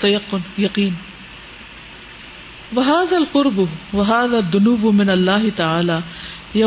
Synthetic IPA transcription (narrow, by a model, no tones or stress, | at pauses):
t̪ːajɑqːʊnjɑqiːn | waɦaːðaːlqʊɾbʊwaɦaːðaːðːʊnuːbmɪnalːaːɦɪt̪aʕaːlaː | ja